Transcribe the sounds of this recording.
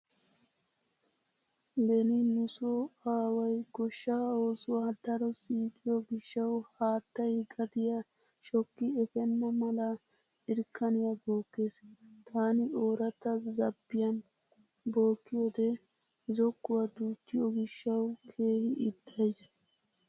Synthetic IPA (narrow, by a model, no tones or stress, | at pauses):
dɛnɪnʊsɔaːwɐjɡɔʃːaːoːsʊwad̪ɐɾɔsiːkɪjɔɡɪʃːɐwhaːt̪ːɐjɡɐd̪ɪjɐ | ʃɔkːɪɛfɛnːɐmɐlɐ | ɪɾkːɐnɪjɐbo̞ːkːe̞st̪aːnɪoːɾɐt̪ːɐzɐbːɪjɐn | bo̞ːkːɪjod̪ɛ | zɔkːʊwɐd̪uːt̪ːɪjɔɡɪʃːɐwkʰeːɡɪʔɪd̪̥ːɐjs